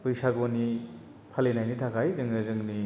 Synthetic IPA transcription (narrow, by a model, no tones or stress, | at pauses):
pɯjsaɡoni | pʰalenajnitʰakʰajzɯŋnɯzɯŋni